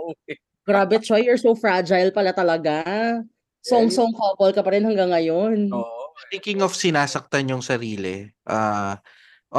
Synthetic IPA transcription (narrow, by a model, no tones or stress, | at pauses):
ʔo | ɡɾaːbɛt̪t͡ʃojɔɹsowfɹad͡ʒajlpɐlat̪ɐlɐɡa | soŋsomkopolkɐpɐɾɛnhɐŋɡaŋːɐjont̪ɪŋkɪŋɔfsɪnaːsɐk̚t̪anjʊŋsɐɾiːlɛ̰ʔaː | ʔ